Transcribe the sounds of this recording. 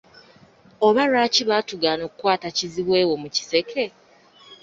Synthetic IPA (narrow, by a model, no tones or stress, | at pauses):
oβaɾaːciβaːtuɡaːno̞ːkukwaːtaciziβwe̞ːwo̞muci̥se̞kʰe̞